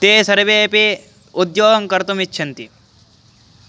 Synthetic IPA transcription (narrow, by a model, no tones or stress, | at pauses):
t̪eːsɐɾɐbeːpe | ud̪joːɡɐŋkɐɾt̪umit͡ʃːʃʰɐnt̪i